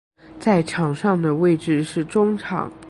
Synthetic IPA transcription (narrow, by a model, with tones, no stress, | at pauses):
t͡sa˥˩ɪʈ͡ʂʰɑ˨˩ŋʂɑ˥˩ŋd̪ə˩we˥˧ɪʈ͡ʂɻ̩˥˧ʂɻ̩˥˩ʈ͡ʂʊ˥ŋʈ͡ʂʰɑ̰˨˩˥ŋ